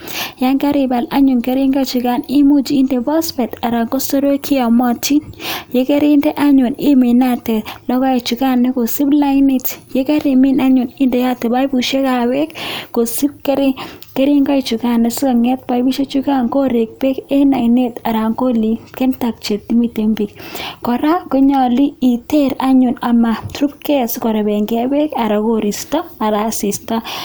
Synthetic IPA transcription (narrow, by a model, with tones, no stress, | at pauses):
ja˦ŋka˦ɾɪ˨ba˨la˦ɲʊ˨nkɛ˦ɾɪ˦ŋɡɔ˦˨t͡ʃu˨ka˦˨ni˦mu˦t͡ʃiː˨˦nde˨bɔ˦spɛ˨ta˨ɾa˨ŋɡo˦so˦ɾo˦kʰi˦a˨mɔ˨ti˦njɛ˦kɛ˦ɾɪ˦ndɛ˦ʔa˦ɲʊ˨nɪ˦me˨na˦tɛ˨lɔ˦kɔ˦e˨t͡ʃu˨ka˦˨nːɛ˦ko˨si˦bla˦ɪ˦ni˨tjɛ˦kɛ˦ɾe˨mɪ˦˨na˦ɲʊ˨nɪ˦ndɛ˨ja˦tɛ˨ba˦jbu˨ʃe˦ka˨wɛ˦kːo˨si˦b̚kɛ˦ɾkɛ˦ɾi˦ŋɡɔ˦i˨t͡ʃu˨ka˦nːɛ˨sʊ˦ka˨ŋɛ˦t̚ba˨jbi˦ʃe˦t͡ʃu˦ka˦ŋko˦ɾe˨k̚bɛ˦kɛ˦na˨jne˦ta˨ɾa˨ŋko˦li˨kɛ˦nta˨k̚t͡ʃe˨t̚ːi˦mi˦˨te˨mbi˨kkɔ˨ɾa˦kʊ˦ɲɔ˨li˦i˨te˦ɾa˦ɲʊ˨na˨ma˨tɾu˦pkɛ˦skɔ˨ɾa˨bɛ˨ŋɡɛ˦bɛ˦ka˨ɾa˨ko˨ɾi˨stɔ˦a˨ɾa˨si˨sta˦